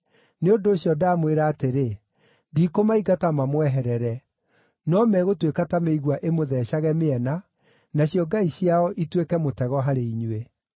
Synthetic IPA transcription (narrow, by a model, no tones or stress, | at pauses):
neondoːɕjɔdaːmweɾaːteɾe | diːkomaiɡatamamwɛɦɛɾɛɾɛ | nɔmɛɣotwekatameiɣwaʔemoðɛʃaɣɛmeɛna | naɕjɔɡaiɕiaɔʔitwekɛmotɛɣɔɦaɾeiɲwe